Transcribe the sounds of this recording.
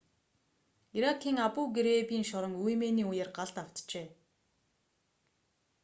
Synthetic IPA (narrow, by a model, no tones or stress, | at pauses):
iɾakʰːiːŋapuːɡeɾepiːŋʃɔɾɞ̆ŋujmeːniːujeːrɢaɮt̪aw̥t̪t͡ɕeː